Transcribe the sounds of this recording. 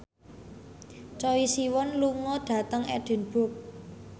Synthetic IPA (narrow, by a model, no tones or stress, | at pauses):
t͡ʃɔwisiwɔnluŋɔɖ̥a̤t̪əŋɛ̰ɖ̥ə̤nb̥ʊ̤k̚